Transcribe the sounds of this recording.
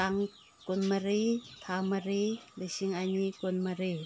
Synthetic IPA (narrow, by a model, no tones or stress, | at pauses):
aŋ | kunmaɾit̪ʰamaɾilesiŋʔaɲikonmaɾi